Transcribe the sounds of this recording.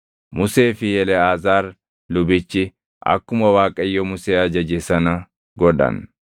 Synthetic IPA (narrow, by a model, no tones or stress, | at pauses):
mʊse̞ːfɪjɛlɛaːzaːɾ | lʊbɪt͡ʃːɪ | ʔɐ̰kːʊmɐwaːkʼːɐjːɔmʊseːɐd͡ʒɐd͡ʒɛsɐnɐ | ɡɔᶑɐ̰n